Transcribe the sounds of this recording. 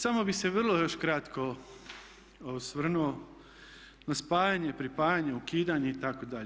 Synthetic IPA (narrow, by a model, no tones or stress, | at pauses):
samo̞bise̞ʋr̩lˠojo̞ʃkɾat̪ko | sʋr̩nuo | naspaːjaɲepɾipaːjaɲeukiːd̪aɲeit̪akod̪aʎe